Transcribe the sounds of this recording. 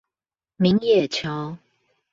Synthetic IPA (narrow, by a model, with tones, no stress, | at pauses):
mi˨˦ŋjɛ˥˨t͡ɕʰjɑ˨˦ʊ